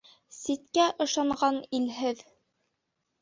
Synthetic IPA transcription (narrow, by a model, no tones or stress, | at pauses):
sit̪kæʔɤ̆ʃɑɴɢɑnilɦɘð